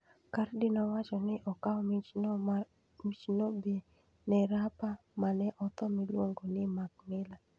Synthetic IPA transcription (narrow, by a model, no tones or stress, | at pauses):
kardɪnɔwat͡ʃɔnɪʔɔkaɔm | mit͡ʃnobe | nɛɾapa | manɛʔɔt̪ɔmilwoŋɡonɪmak̚mɪla